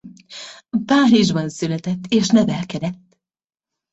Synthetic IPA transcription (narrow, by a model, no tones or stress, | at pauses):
paːɾiʒbɒnsylɛt̪ɛt̪ːeːʃnɛvɛlkɛd̪ɛt̪ː